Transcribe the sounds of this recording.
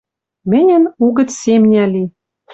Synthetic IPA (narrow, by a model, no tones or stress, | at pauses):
mɘ̆nʲɘ̆nuɣə̆t̪sʲemnʲæli